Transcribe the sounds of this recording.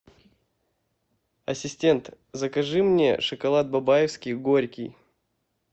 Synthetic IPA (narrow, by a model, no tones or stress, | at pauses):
ɐsʲɪsʲtʲe̞nt̪ | zəkɐʐɨmnʲḛʂəkɐlˠat̪̚bɐbajɪfskʲɪjɡoɾʲkʲɪj